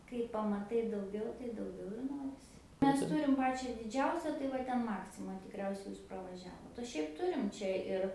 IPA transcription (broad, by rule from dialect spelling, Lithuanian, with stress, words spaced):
kɐɪ pɐmɐˈtɐɪ dɐʊˈɡʲɛʊ tɐɪ dɐʊˈɡʲɛʊ ɪr ˈnoːrʲɪsʲɪ ˈmʲɛs ˈtʊrʲɪm ˈpɑːt͡ʃʲɛ dʲɪˈd͡ʒʲɛʊsʲɛ tɐɪ ˈʋɐ ˈtʲɛn ˈmɑːksʲɪmɐ tʲɪkˈrʲɛʊsʲɛɪ ˈjuːs prɐʋɐˈʒʲæːʋoːt oː ˈʃʲɛɪp ˈtʊrʲɪm ˈt͡ʃʲɛ ɪr